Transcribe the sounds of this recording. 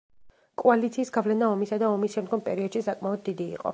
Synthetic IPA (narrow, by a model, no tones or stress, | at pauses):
kʼualit̪sʰiːsɡavlɛnaɔmisad̪aɔmisʃɛmd̪ɡɔmpʼɛɾiɔd̪̥ʃisakʼmaɔd̪̚ːid̪ḭːqʼɔ̰